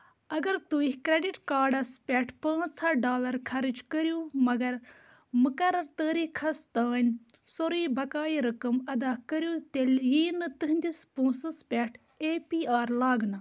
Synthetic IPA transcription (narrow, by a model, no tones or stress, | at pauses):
ɐɡɐɾt̪uikɾeɖiʈkaːɾɖɐspʲɛːʈʰpɐ̃ːsɐɖaːlɐɾkʰɐɾid͡ʒkəɾjũːmɐɡɐɾ | mukɐrɐɾt̪əːɾikʰɐst̪aːnʲ | soɾiːbɐkaːiɾɐkɐmɐd̪aːkəɾjũːt̪eljiːnɨt̪ɨɦnd̪ispũːsɐspʲɛːʈʰ | eːpiːaːɾlaːɡnɐ